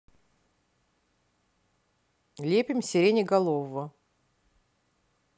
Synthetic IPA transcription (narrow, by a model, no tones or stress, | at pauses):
lʲepʲɪmsʲɪɾʲenʲɪɡɐlˠovə